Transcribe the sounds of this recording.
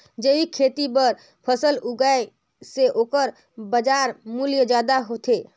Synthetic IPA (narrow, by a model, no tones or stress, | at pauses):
d͡ʒeikʰet̪ibəɾ | pʰəsəluɡae | seʔokəɾ | bəd͡ʒaɾmuljəd͡ʒad̪aɦot̪e